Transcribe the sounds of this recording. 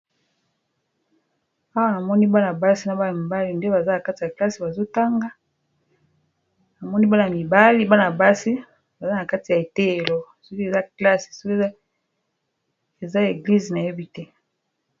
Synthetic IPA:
a˦wa˦na˨mɔ˦ni˦ba˦na˨ba˦si˦na˨ba˦na˨mi˨ba˦li˨nde˦ba˨za˦na˨ka˦ti˨a˨kla˦si˨ba˨zo˦ta˦ŋɡa˦ | na˨mɔ˦ni˦ba˦na˨mi˨ba˦li˦ba˦na˨ba˦si˦ | ba˨za˦na˨ka˦ti˨ja˨e˨te˦e˨lɔ˨su˦ki˦e˨za˦kla˦ssu˦ke˨a˦ | e˨za˦e˨ɡli˦zi˨na˨je˦bi˦tɛ˦

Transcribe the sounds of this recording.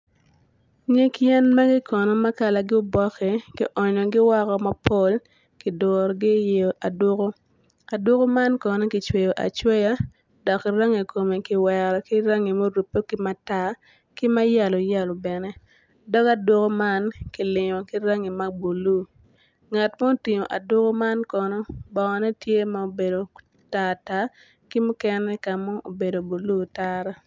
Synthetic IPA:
ɲe˦kjɛ˦nma˦ɡɪ˦kʰɔ˨nɔ˦ma˦ka˨la˨ɡɪ˦ʊ˦bɔ˦kɛ˨kɪ̰˨ʔɔ˨ɲɔ˨ɡɪ˦wa˦kɔ˦ma˦po˦l | kɪ˨dɔ˨ɾɡɪ˦je˨o˨ʔa˨dwo˦ko˦ | a˨dwo˦ko˦ma˦nkɔ˨nɛ˦kɪ˨t͡ʃwe˨jo˨ʔa̰˨t͡ʃwe˦ja˦ | dɔ˨kːɪ˨ɾa˦ŋe˨ko˨me˨kɪ˨wɛ˨ɾɔ˨kɪ˦ɾa˦ŋi˨mo˦ɾu˨pːo˦kɪ˦ma˦ta˦ | kɪ˦ma˦ja˨lo˨ja˦˨lɔ˨bɛ˨nɛ˦ | dɔ˦ka˦dwo˦ko˦ma˦nki˨lɪ˨ɲɔ˨ki˦ɾa˦ŋi˨ma˦bo˨lu˦ | ŋa˨tma˦o˦ti˨ɲo˨ʔa˨dwo˦ko˦ma˦nkɔ˨nɔ˦bɔ˨kɔ˨nɛ˦tje˦ma˨o˨be˨do˨ | ta˨ta˨˦ | ki˦mʊ˦kɛ˦nɛ˦ka˨mɔ˦ʔo̰˨be˨do˨bo˨lu˦ta˦ɾa˦

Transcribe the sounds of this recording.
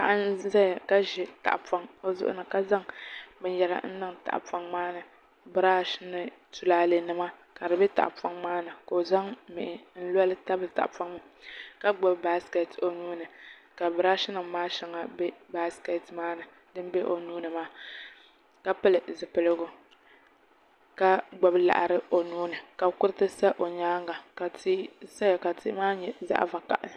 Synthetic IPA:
ka˨ʔa˦nza˦˨ka˦ʒɪ˦ta̰˨ʔpa˦ŋo˦zʊ̰˦ʔʊ̰˦nɨ˨ka˦za˦ŋbɛ˨ɲjɛ˨la̰˨˦n̩˦nɨ˦ŋta̰˨ʔpa˦ŋmaː˦nɨ˨ | bɨ˨ɾaː˦ʃɪ˦nɨ˦tu˨laː˦le˨nɨ˨ma˦ka˨dɨ˨bɛ˦ta̰˨ʔpa˦ŋmaː˦nɨ˨ko˨za˦ŋmɪ˨ʔɪ˨n̩˦lɔ˦lɨ˦ta˦bɨ˨ta̰˨ʔpa˦ŋɨ˦ka˦ɡ͡bo˦ba˦ske˨to˦nuː˦nɨ˨ka˨bɨ˨ɾa˦ʃɪ˦nɨ˨ŋ˦maː˦ʃɛ˨ŋa˨bɛ˦ba˦ske˨tmaː˦nɨ˨ | dɨ˦m˦be˦ʔo˨nuː˦nɨ˨maː˦ | ka˦pɨ˦lɨ˨zɨ˨pɨ˨lɨ˦ɡʊ˦ | ka˦ɡ͡bɔ˨bla̰˨ʔa˨ɾɨ˦o˨nuː˦nɨ˨ka˨kʊ˦ɾɨ˦tɨ˦sa˦ʔo˨ɲaː˦ŋɡa˨ka˨ti˦sa˦ja˨ka˨tʰḭ˦maː˦ɲɛ˨za̰˦ʔva˨ka̰˨ʔ

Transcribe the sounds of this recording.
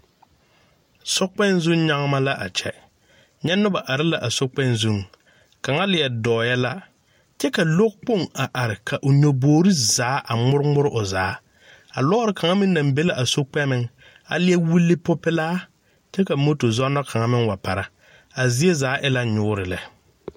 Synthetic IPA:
sɔ˦k͡pɛ˦nzʊ˦ŋ˦ɲa˦ŋ˦ma˦la˦ʔa̰˨t͡ʃɛ̰˨ | ɲɛ˦nʊ˦ba˨ʔa˨ɾɪ˦la˨ʔa˨so˦k͡pɛ˦nzu˦˨ŋ | ka˨ŋa˦lɪ˨ɛ˨dɔː˨ja˦la˦ | t͡ʃɛ˦ka˨lo˦k̚k͡po˦˨ŋa˨ʔa˨ɾɪ˨kʰa˨ʔʊ˨ɲo˨boː˨˦ɾi˦zaː˨˦ʔa˨ŋ͡mʊ˦ɾɪ˦mʊ˦ɾɪ˦ʔʊ˨zaː˨˦ | a˨lɔ˦ɾɪ˨kʰa˨ŋa˦mɪ˦na˨mbe˦la˦˨ʔa˨so˦k͡pɛ˦mɪ˦ŋ | a̰˨lɪ˦ɛ˦wu˦lːɪ˦pʊ˦pɪ˦laː˦ | t͡ʃɛ˦ka˨mo˦to˨zɔ˦nɔ˦kʰa˨ŋa˦mɪ˦ŋwa˨pa˨ɾa˨ | a˨zɪ˦e˦zaː˨˦ʔɪ˦la˦ɲʊː˦ɾɪ˨lɛ˨

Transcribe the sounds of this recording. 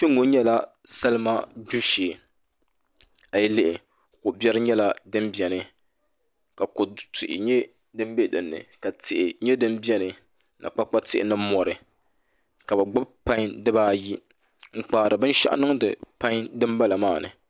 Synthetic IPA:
t͡ʃe˦ŋːo˦ɲɛ˦la˦ | sa˦lɨ˦ma˦du˦ʃeː˨ | a˨jɛ˦lɪ˦ʔɪ˨ | kʊ˨bjɛ˦ɾɨ˦ɲɛ˦la˦dɨ˦mbjɛ˨nɨ˨ | ka˨ko˨tʊ˨ʔɪ̰˨ɲɛ˦ | dɨ˦m˦be˦dɨ˨nːɨ̰˨ka˨tɪ˨ʔɪ˨ɲɛ˦dɨ˦mbɛ˦nɨ˨ | na̰˨k͡pa˦k͡pa˦tɪ̰˦ʔɪ̰˨nɨ˦m˦mɔ˨ɾɨ˨ | ka˨bɨ˨ɡ͡bʊ˦bpa˦ɲdɨ˦baː˦ji˦ | ŋ͡m̩˨k͡paː˨ɾɨ˨bɨ˦n˦ʃa̰˦ʔa̰˦nɨ˦ŋdɨ̰˨pa˦ŋ˦dɨ˦mba˦la˨maː˦˨nɨ̰˨

